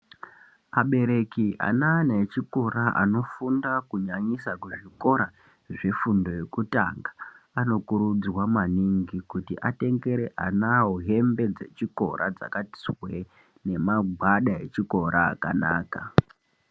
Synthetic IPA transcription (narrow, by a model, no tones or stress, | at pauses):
aɓe̞ɾe̞kiʔa̰nanet͡ʃiko̞ɾaʔa̰no̞fundakuɲaɲisakuʐiko̞ɾa | ʐe̞fundo̞je̞kuta̰ŋɡaano̞kuɾud͡zwamaniŋɡikutiʔate̞ŋɡe̞ɾe̞ʔanaɦoɦe̞mbe̞d͡ze̞t͡ʃiko̞̰ɾa̰d͡za̰kati̥swe | ne̞maɡʱwaɗae̞t͡ʃiko̞ɾa̰ːkana̰ːka̰